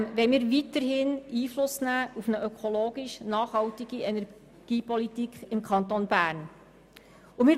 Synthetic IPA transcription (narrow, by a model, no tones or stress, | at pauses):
ʋɛmɪːɾʋitəɾhɪniːflʊsnæːufnəʔœkʰoloːɡiʃnɑːχhɑltiɡiɛnɛɾ | ɡ̥iːpɔlitikʰɪmkʰɑnt̪onbæːɾn | umɪː